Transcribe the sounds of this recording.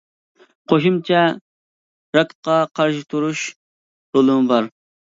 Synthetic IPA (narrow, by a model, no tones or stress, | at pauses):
qʰoʃumt͡ʃʰɛ | ɾɑk̪qɑqʰɑɾʃɪt̪ʰuɾuʃ | ɾolˠɨmɨbɑɾ